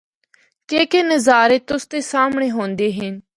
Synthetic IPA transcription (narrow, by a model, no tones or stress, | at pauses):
keːkeːnəzaːɾeːt̪ʊst̪eːsaːmɳeːɦõːnd̪eːɦɪn